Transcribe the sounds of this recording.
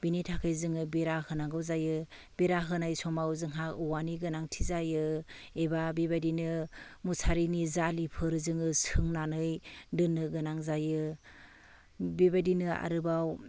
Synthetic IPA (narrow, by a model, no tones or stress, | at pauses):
binitʰakʰɯjzɯŋɯbeɾahɯnaŋɡɯwzajɯ | beɾaɦɯnajsɔmawzɯŋɦakuwaniɡɯnaŋtʰizajɯebabebadinɯmusʰaɾinizalipʰɯɾzɯŋɯsʰɯŋnanɯjdɯnːɯɡɯnaŋzajɯ | bebadinɯa̰ɾɯbaw